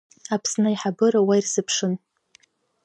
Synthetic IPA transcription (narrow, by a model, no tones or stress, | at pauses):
apʰsnɨiħabɨɾawajirzɨpʰʂɨn